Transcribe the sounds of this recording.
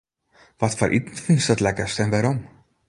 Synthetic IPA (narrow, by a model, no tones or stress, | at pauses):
ʋɔtfɔ̰ɾʔḭtn̩tfinsdɔtlɛkəstɛnʋaɾɔm